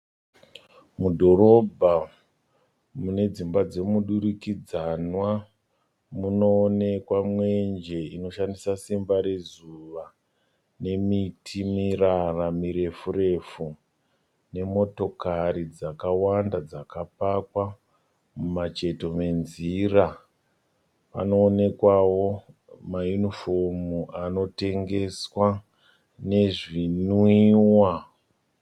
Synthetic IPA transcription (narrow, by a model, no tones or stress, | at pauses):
mudʱo̞ɾo̞bʱa | mune̞d͡zimbad͡ze̞muɗuɾikid͡zanwa | muno̞ːne̞kwamwe̞nd͡ʒe̞ino̞ʃandisasimbaɾe̞zuʋa | ne̞mitʰimiraramiɾe̞fure̞fu | ne̞mo̞to̞kaɾid͡zakawandad͡zakapakwa | mumat͡ʃe̞to̞me̞nzira | pa̰no̞ːne̞kwawo̞majunifo̞muano̞te̞ŋɡe̞swa | ne̞ʐinwiːwa